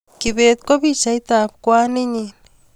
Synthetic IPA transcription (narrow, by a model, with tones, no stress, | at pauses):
kiβe˨t̪̚ko˦βi˦t͡ʃa˨it̪a˨p̚kwaː˦ni˦ɲin